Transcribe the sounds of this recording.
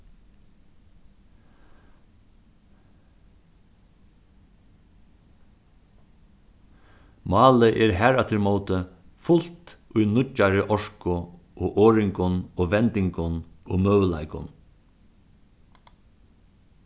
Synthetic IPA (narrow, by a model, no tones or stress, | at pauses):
mɑːləʔɛɾɦæɾat̪ʰɪɾmoːt̪ə | fʊl̥t̪ʊjnʊt͡ʃːaɾɪʔɔʂkʊ | ʔoːʔoːɾɪŋkʊnɔːʋɛnt̪ɪŋkʊnoːmœwla̰ɪkʊ̰n